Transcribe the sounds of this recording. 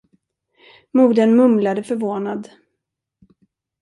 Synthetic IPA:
muːd̪ənmɵmlad̪əfœɾvoːnad̪

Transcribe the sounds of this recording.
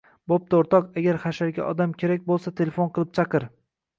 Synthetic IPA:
bop̚t̪ʰaoɾt̪ʰɒqaɡʲaɾχaʃaɾɡʲa̰ʔɒd̪amkʲʰe̞ɾak̚ʲbolˠsat̪ʰe̞lefonqʰɨlˠɪp̚t͡ʃʰɑqɨɾ

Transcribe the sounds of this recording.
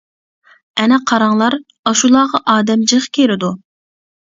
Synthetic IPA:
ɛnɛqʰɑɾɑŋlˠɑɾ | ɑʃulˠɑːʁɑʔɑːd̪ɛmd͡ʒɨʁkʲʰeɾɪd̪u

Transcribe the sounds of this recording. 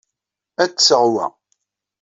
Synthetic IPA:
æt͡sːsəʁwæ̰

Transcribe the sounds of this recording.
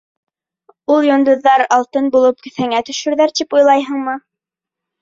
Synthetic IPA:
ulˠjŏnd̪ŭðːɑɾɑlˠt̪ɤnbulˠɤp̚kɵ̆θhæŋæt̪ɵ̆ʃɵ̆ɾðæɾt̪ipujlˠɑjɦɤ̆ɴmɤ

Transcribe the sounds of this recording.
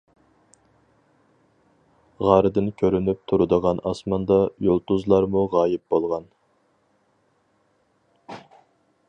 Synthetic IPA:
ʁɑɾɨd̪ɨnkʲʰøɾynyp̚t̪ʰuɾɨd̪əʁɑnɑsmɑnd̪ɑjolˠt̪uzlˠɑɾmuʁɑːjɪp̚b̥olˠʁɑn

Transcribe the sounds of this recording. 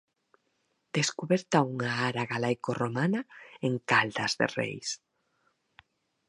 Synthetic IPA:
d̪̥eskuβɛɾt̪auŋaaɾaɣalajkoromanaeŋkald̪azðḛrḛjs

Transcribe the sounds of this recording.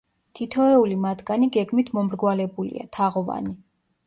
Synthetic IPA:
t̪ʰit̪ʰɔɛulimat̪ɡaniɡɛɡmit̪ʰmɔmɾɡwalɛbulḭa̰t̪ʰaʁɔva̰ni

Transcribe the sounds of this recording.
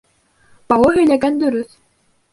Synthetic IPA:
bɑwˠɤɦɵ̆jlæɡænd̪ɵɾyθ

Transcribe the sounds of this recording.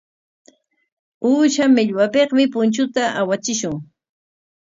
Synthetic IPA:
uːʃamɪʎwapeχmɪpʊnt͡ʃʊt̪aʔawat͡ʃɪʃʊŋ

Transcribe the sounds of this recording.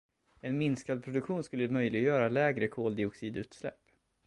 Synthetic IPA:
ɛnmɪnskad̪̚pʰɾʊd̪ɵkɧuːnskɵlːəmœjlɪɡjœːɾalɛːɡɾəkʰoːld̪ɪʊksiːd̪ʉ̟ːt̪slɛ̰pː

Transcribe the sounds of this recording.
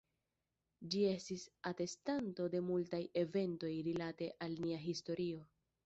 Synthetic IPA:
d͡ʒie̞stisate̞stanto̞de̞multaje̞ve̞nto̞jɾilate̞ʔalniaɦisto̞ɾio̞

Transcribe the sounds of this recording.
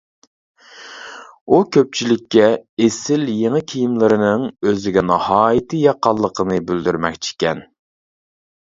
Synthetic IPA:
ukʲʰøp̚t͡ʃʰilɪkʲːɛesɪljeŋɨkʲʰijimlˠɨɾɨnɨŋøzɪɡʲɛnɨhɑːjit̪ʰɨjɑqɑlˠːəqʰənɨbyld̪yɾmɛ̰kʲt͡ʃʰi̥kʲɛn

